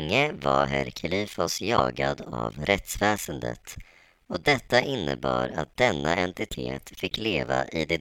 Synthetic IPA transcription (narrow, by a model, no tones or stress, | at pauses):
ŋːəvaɾɦæɾkʰɪliːfɔsjɑːɡad̪avɾɛt̪svɛːsənd̪ə̰t̪ | ɔd̪ɛt̪ːaʔɪnːəbɑːɾat̪̚d̪̥ɛnːaɛnt̪ɪt̪ʰeːt̪fɪkːleːvaʔɪd̪ɛ